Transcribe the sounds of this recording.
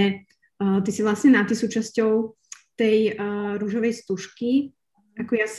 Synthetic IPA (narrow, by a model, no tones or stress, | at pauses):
ɛ | t̪isiʋlasɲɛnat̪isuːt͡ʃascɔʊ | t̪ɛjɾuːʒɔʋɛjst̪uʃki | akɔjas